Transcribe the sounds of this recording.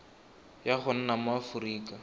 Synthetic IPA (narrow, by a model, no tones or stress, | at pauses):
jaχʊn̩namafuɾiːka